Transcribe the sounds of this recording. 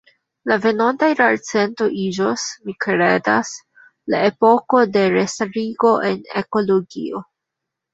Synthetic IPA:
lave̞nontajɾaɾt͡se̞nto̞ʔid͡ʒosmikɾe̞das | la̰epo̞ko̞de̞ɾestaɾiɡo̞ʔe̞nḛko̞loɡḭo

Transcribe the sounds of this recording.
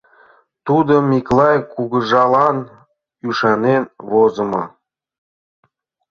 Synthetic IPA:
t̪ud̪omʲiklˠɑjkuɡə̆ʒɑlˠɑn | yʃɑnenvozə̆mɤ

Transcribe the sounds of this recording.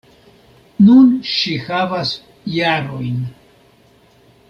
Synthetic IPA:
nunʃihavas | jaɾo̞jn

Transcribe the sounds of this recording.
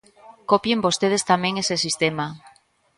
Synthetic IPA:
kopjembost̪eð̞est̪amẽŋesesist̪ema

